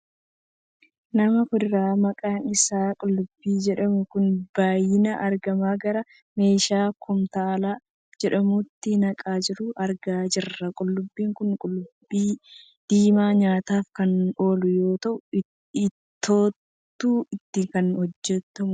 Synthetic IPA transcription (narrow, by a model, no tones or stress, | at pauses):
nɐmɐkʊdɪɾaːmɐkʼaːnɪsaːkʼʊlːʊbːiːd͡ʒɛᶑɐmʊkʊnb̥aːjɪnɐʔɐɾɡɐmaːɡɐɾɐ | me̞ːʃaːkʰʊmt̪aːlaː | d͡ʒɛᶑɐmʊt̪ːɪnɐkʼaːd͡ʒɪɾʊʔɐɾɡaːd͡ʒɪrːɐkʼʊlːʊbːiːŋkʊnkʼʊlːʊbːiː | d̪̥iːmaːɲaːt̪aːfkɐno̞ːlʊjo̞ːt̪ɐʔʊ | ɪt̪ːoːt̪ː | uːɪt̪ːɪkɐnhɔd͡ʒːɛt̪ːɐmʊ